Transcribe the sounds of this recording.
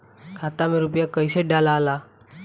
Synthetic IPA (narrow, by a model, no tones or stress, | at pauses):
kʰaːt̪amẽɾʊpjakɐiseɖaːlaːlaː